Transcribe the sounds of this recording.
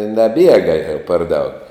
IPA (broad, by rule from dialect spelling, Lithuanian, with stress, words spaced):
nɐˈbʲiɛɡɐ jɛʊ pɐr dɐʊk